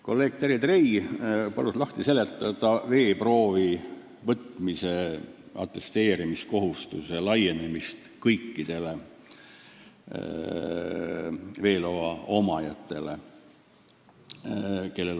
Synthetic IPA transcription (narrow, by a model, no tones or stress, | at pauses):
ko̞lːe̞ːɡ̥̚t̪eɾid̪rejpɑluslɑht̪ise̞let̪ːˑɑd̪̥ɑve̞ːpro̞ːvi | vɤt̪mise̞ | ɑ̰t̪ːˑe̞st̪e̞ːɾimisko̞ɦust̪use̞lɑje̞nemist̪kɤjkːid̪̥e̞le̞ | ve̞ːloɑo̞mɑjɑt̪ːˑe̞le̞ | ke̞lːel